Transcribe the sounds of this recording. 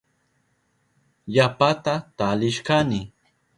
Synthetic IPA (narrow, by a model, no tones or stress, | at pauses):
japat̪at̪alɪʃkanɪ